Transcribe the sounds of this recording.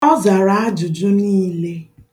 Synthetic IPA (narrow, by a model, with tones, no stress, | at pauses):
ɔ˦za˨ɾa˨˦a˦d͡ʒʊ˨d͡ʒʊ˦niː˦le˦